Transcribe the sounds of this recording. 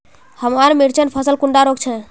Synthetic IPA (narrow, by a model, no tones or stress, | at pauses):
həmaɾmiɾt͡ʃənpʰəsəlkuɳɖaɾokt͡ʃʰɛ̃